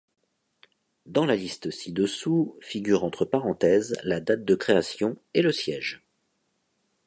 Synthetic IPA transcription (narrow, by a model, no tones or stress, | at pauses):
d̪ɑ̃lalist̪sid̪əsufiɡʲyʁɑ̃t̪χəpaʁɑ̃t̪ɛzlad̪at̪̚d̪əkχeasjɔ̃eləsjɛʒ